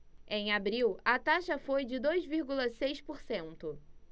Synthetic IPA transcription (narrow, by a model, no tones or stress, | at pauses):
ẽj̃abɾiwɐt̪aʃɐfojd͡ʒɪd̪ojzviɾɡulɐsejspoɾsẽnt̪ʊ